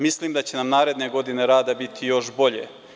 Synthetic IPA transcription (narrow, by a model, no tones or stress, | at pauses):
misliːmd̪at͡ɕe̞namnaːɾe̞d̪neɡo̞d̪ine̞ɾaːd̪abit̪ʰijo̞ʃbo̞ʎḛ